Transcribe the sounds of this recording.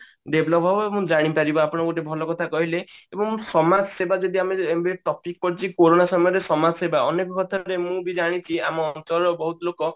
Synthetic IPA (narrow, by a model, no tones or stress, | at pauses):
ɖeblɔpɦɔɔmũd͡ʒaɽ̃ipaɾibɔapɔɽ̃ɔɡoʈ̬ebʱɔlɔkɔt̪ʰakɔɦileebɔŋsɔmad͡ʒsebad͡ʒɔd̪iameembeʈɔpik̚pɔɾit͡ʃʰikoɾonasɔmɔjɔɾesɔmad͡ʒsebaɔnekɔkɔt̪ʰaɾemũbid͡ʒaɽ̃it͡ʃʰiamɔːnt̪ɔɾɔbɔɦut̪ɔlokɔ